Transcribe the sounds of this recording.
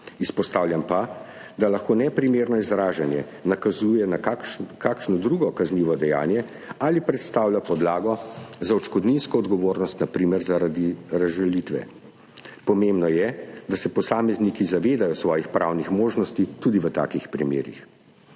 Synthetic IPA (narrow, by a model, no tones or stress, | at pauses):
ispɔst̪aːwljampad̪alaxkoːnɛpɾimeːɾnɔizɾaːʒanjɛ̰ | nakazuːjɛnakakʃnɔd̪ɾuːɡɔkazniːʋɔd̪ɛja̰ːnjɛ | alipɾɛt̪st̪awlʲjapɔd̪laːɡɔzaɔt͡ʃkɔd̪ninskɔːd̪ɡɔʋoːɾnɔst̪napɾiːmɛɾzaɾad̪iɾazʒalit̪ʋɛ̰ | pɔmembnɔjɛd̪asɛpɔsaːmɛznikizaʋeːd̪ajɔsʋɔːjixpɾawnixmoːʒnɔst̪it̪uːd̪iʋət̪a̰ːkixpɾimḛːɾḭx